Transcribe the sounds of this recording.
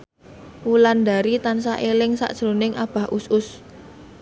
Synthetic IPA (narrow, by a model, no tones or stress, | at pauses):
wuland̪a̤ɾit̪ans̬aʔelɪŋsa̰ʔd̥ʒ̥ɾonɪŋʔab̥a̤hʔusʊs